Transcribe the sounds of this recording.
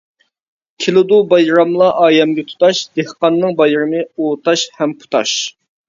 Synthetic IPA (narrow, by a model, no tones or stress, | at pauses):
kʲʰɪlɪd̪ubɑjɾɑmlˠɑʔɑːjɛmɡʲɛt̪ʰu̥t̪ɑʃd̪̥ehqɑnːɨŋbɑjɨɾɨmɨoːt̪ʰɑʃhɛmpʰu̥t̪ʰɑ̰ʃ